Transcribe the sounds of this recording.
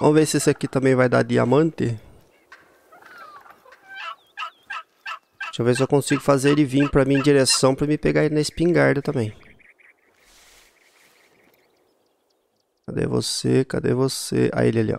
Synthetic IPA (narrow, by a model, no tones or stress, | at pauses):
ɐ̰̃vesesakit̪ɐ̃mbẽj̃vajd̪a̰d̪ɪa̰mɐ̃nt̪ɪ | t̪awvezewkõsiɡʊfazeɾdɪvĩpɾɐmĩẽd͡ʒiɾesɐ̃w̃pɾɐmɪpeɡaɾeɪnɐɪspĩŋɡaɾd̪ɐt̪ɐ̃mẽj̃ | kad̪ḛvo̰seka̰d̪ḛvosḛʔa̰ḭlialḭa̰